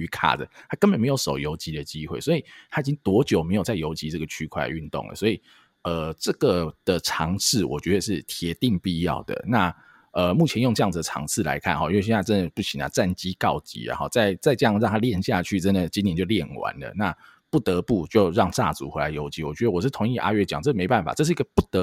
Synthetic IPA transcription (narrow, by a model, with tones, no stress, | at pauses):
y˧˥kʰa̰˨˩d͡zə˩t̪ʰa˥kə˥nbə˨˩nme˧˥ɪjo˧˥ʊʂo˨˩ʊjo˧˥ʊt͡ɕi˧˥d̪ə˨t͡ɕi˦˥xwe˥˩ɪswɔ˧˥i˨˩t̪ʰa˦˥i˨˩t͡ɕi˦˥ŋt̪wɔ˧˥t͡ɕjo˨˩ʊme˧˥ɪjo˨˩ʊt͡sa˥˩ɪjo˧˥ʊt͡ɕi˧˥ʈ͡ʂɤ˥˩ɡə˩t͡ɕʰy˥kʰwa̰˥˩y˥˧nt̪o̰˥˩ŋlə̰˩swɔ˧˥i˨˩ | ə˩ʈ͡ʂɤ˥˩ɡə˩d̪̥ə˨ʈ͡ʂʰɑ˧˥ŋs̩ʰ˥˩wɔ̰˨˩t͡ɕɥɛ˧˦˥ə˨˧ʂɻ̩˥˩t̪ʰjɛ˧˥t̪i˥˧ŋpi˥˧jɑ̰˥˩ʊd̪ə̰˩na˥˩ | ə˩mu˥˩t͡ɕʰjɛ˧˦njo˥˧ŋʈ͡ʂɤ˥˧jɑ˥˩ŋd͡z̩˩d̪ə˩ʈ͡ʂʰɑ̰˧˥ŋt͡sʰɹ̩˥˩˨la̰˧˦ɪkʰa˥˩˨nxɔ˨˦i˥wɕɛ˥˩a˥˩ʈ͡ʂə˦˥nd̪ə˨pu˥˩ɕʰi˨˩na̰˨˩t͡sa˥˩nt͡ɕi˦˥kɑ˥˩ʊt͡ɕḭ˧˥la̰˨˩xɔ̰˩t͡sa˥˧ɪt͡sa˥˧ɪʈ͡ʂɤ˥˧jɑ˥˧ŋɻɑ˥˩ŋt̪ʰa˥ljɛ˥˨nɕja˥˧t͡ɕʰy˥˩ʈ͡ʂə˦˥nd̪ə˨˩t͡ɕi˥njɛ˧˥nt͡ɕjo˥˧ʊljɛ˥˨˩nwa̰˧˦nlə̰˨na˥˨ | pu˥˩t̪ə˧˦pu˥˧t͡ɕjo˥˧ʊɻɑ˥˧ŋt͡sa̰˥˩t͡sṵ˨˩xwe˧˥ɪa˧˦ɪjo˧˥ʊt͡ɕi˧˥wɔ˨˩t͡ɕɥɛ˧˥d̪ə˧wɔ˨˩ʂ̬ɻ̩˥˩t̪ʰʊ˧˥ŋi˥˧ʔa̰˥ɥɛ˥˩t͡ɕjɑ˨˩˦ŋʈ͡ʂɤ˥˩˨me˧˥ɪpa˥˩nfa̰˨˩ɤ˥˧ʂ̬̩˥˩˧i˦ɡə˧pu˥˩t̪ə˧˦